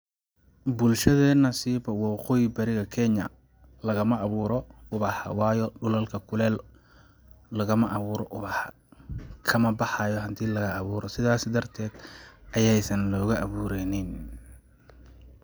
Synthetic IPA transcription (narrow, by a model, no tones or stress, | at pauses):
bʊlʃɐðɛːnɐsiːβɐwɑːqɔːjɪbɐɾɪɣɐkʰɛɲɐ̰ | lɐɣɐmɐʔɑβuːɾɔʊβɑħɑ̰wɑːjɔɖʊlɐlkʰɐkʰʊlɛːl | ɐɣɐmɐʔɐβuːɾɔʔʊβɑħɑ | kʰɐmɐbɑħɑjɔɦɐnt̪ʰiːlɐɣɐːβuːɾɔsɪðaːsɪd̪ɐrt̪ʰɛːd̪̥ʔɐjɛjsɐnlɔːɣɐʔɐβuːɾɛnɪn